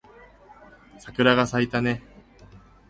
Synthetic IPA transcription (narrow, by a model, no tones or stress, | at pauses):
sakɯ̟ɾaɡasait̪ane̞